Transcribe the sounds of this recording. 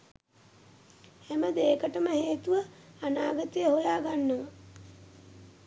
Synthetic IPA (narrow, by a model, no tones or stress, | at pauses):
hæməd̪eːkəʈəməheːt̪uʋəanaːɡət̪ejəhojaːɡanːoʋə